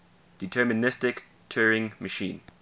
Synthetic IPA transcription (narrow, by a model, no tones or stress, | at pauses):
d̥itʰɛmənɪstɪk | tʰɜːɹɪ̃ŋməʃḭ̃ːn